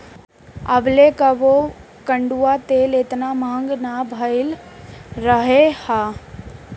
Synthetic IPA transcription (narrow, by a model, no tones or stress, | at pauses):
əblekaʋo | kə̃ɳɖuat̪eːlet̪namãːŋɡnabʱəɪl | ɾəɦehaː